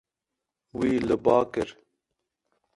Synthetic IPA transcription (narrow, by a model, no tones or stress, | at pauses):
wiːlɨbɑːkɨɾ